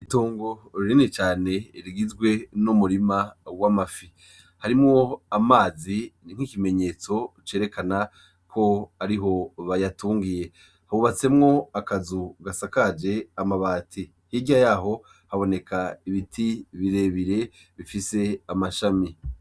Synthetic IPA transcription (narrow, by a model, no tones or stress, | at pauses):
itoːŋɡo̞ɾɾinit͡ʃaːne̞ɾiɡizɡwe̞numuɾimawamafi | haɾimŋoamaːziniŋ̥hikime̞ɲe̞ːt͡so̞t͡ʃe̞ːɾe̞kana | kʰo̞aɾiɦo̞βajatuːŋɡije̞ | haβuβat͡se̞mŋo̞akazuɡasakad͡ʒe̞amaβaːtʰi | hiɟajaːɦo̞ | haβo̞ne̞kʰaiβitʰiβiɾe̞βiɾe̞ | βifise̞amaʃami